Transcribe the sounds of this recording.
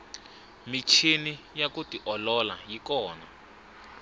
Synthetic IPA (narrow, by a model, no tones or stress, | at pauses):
mit͡ʃʰini | jakutiʔɔlɔla̰jikɔːna